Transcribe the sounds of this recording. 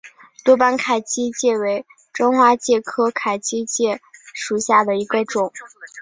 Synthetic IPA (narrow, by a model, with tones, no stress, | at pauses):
t̪wɔ˥pa˥nkʰa˨˩ɪt͡ɕi˥t͡ɕjɛ˥˩we˧˥ɪ | ʈ͡ʂɤ˥ŋxwa˥t͡ɕjɛ˥˩kʰɤ˥kʰa˨˩ɪt͡ɕi˥t͡ɕjɛ˥˩ʂu˨˩ɕja˥˩d̪ə˩i˧˥ɡə˧ʈ͡ʂʊ˨˩˦ŋ